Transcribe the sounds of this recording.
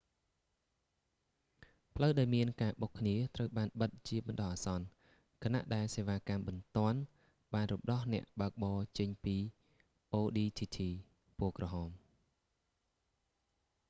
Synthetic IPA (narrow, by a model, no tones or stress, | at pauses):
pʰləwɗaɔjmiənkaːɓokʰniət̪rəwɓaːnɓət̪̚t͡ɕiəɓɑnɗɑhʔaːsɑn | kʰana̰ʔɗaɛlseːʋaːkamɓɑnt̪ŏən | ɓaːnrumɗɑhnɛ̆əʔɓaək̚ɓɑːt͡ɕəɲpiː | ʔoːɗiːt̪ʰiːt̪ʰiː | puəkrɑɦɑːm